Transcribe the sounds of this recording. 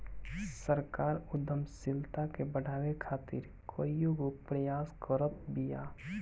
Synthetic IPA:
səɾkaːɾʊd̪ʱəmsɪlt̪akebəɽʱaːwekʰaːt̪ɪ̰ɾ | kʰoːijoɡopɾəjaːskəɾət̪̚bija̰ː

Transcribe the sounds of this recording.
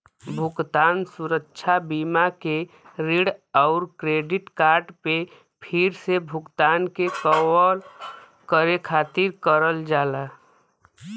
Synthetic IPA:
bʱukt̪ansuɾəkːt͡ʃʰabimake | ɾiɽaʊɾkɾeɖiʈkaɾɖpe | pʰiɾsebʱukt̪ankekəwəl | kəɾekʰat̪iɾkəɾəld͡ʒala

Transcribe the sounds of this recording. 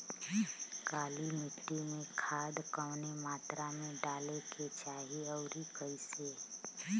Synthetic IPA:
kaːlimɪʈːimẽkʰaːd̪kəːnemaːt̪ɾamẽɖaːleket͡ʃaːɦeɔːɾikəiseː

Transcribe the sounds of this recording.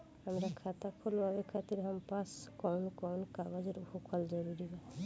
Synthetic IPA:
amɾakʰat̪akʰoloabekʰat̪iɾɦampaskɔwnkɔwnkaɡod͡ʑeɾupokʰɔld͡ʒɔɾuɾiba

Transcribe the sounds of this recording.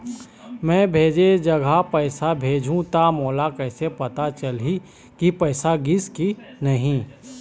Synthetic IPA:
mɛ̃ːbʱeːd͡ʒed͡ʒɐɡʱapɛːɪsabʱeːd͡ʒʱũt̪amɔːlakɛːsepɐt̪at͡ʃɐlɦi | kipɛːsaɡɪski | nɐɦĩ

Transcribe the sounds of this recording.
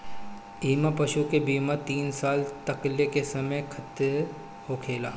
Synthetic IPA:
iːmapɐʃukebiːmat̪iːnsaːlt̪ɐklekesɐməjkʰɐt̪e | hokʰeːlaː

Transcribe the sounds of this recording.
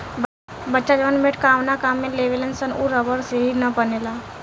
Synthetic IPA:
bətːʃad͡ʒəʋənmeʈkaːʋnakaːmːẽleʋelənsənuɾəbəɾseɦinəpənelaː

